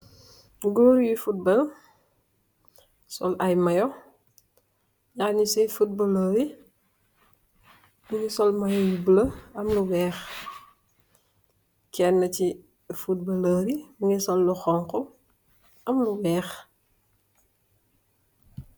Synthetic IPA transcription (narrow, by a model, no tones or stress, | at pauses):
ɡoːɾjifut̚bɐl | sɔ̰lɐjmɐjɔ | ɲaːɲisɛjfut̚bɐləːɾi | buŋisɔlmɐjɔjubulɐɐmluwɛːx | kɛnːɐci | fut̚bɐləːɾimuŋɛsɔlːuxɔŋkɔ | ɐmluwɛːx